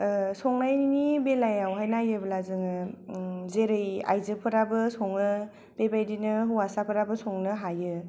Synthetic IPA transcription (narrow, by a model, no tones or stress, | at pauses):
sɔŋnajinibelajawɦajnajɯbɯlazɯŋɯ | zeɾɯja̰jzɯpʰɯɾabɯsɔŋnɯ | b̥ebajdinɯɦuwasapʰɯɾabɯsɔŋnɯɦajɯ